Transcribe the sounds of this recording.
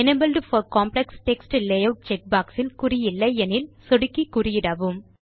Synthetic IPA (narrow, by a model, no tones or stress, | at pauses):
ɛnebɐlɖfɔɾkaːmplɛksʈɛksʈlejɐʈ̚t͡ʃɛk̚baːksɪlkʊɾɪjɪlːɐɪɛnɪlsɔɽɪkːikʊɾɪjɪɽaʋɯm